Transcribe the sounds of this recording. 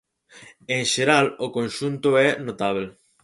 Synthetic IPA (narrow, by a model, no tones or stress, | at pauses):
ẽŋʃeɾalʊkõnʃunt̪ʊɛnot̪aβ̞l